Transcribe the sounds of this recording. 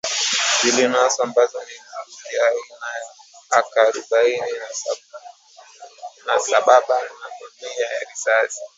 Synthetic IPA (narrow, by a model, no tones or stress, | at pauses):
zilinasɔambazɔniuiainajaakaɾuɓainin | nasaɓaɓanamimijajaɾisasi̥